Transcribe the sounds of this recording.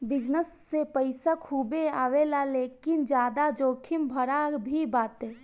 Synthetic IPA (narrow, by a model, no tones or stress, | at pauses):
bɪd͡ʒnəsːepəɪsakʰuːbeaːwelaleːkɪnd͡ʒjaːd̪ad͡ʒoːkʰimbʱəɾabʱibaːt̪eː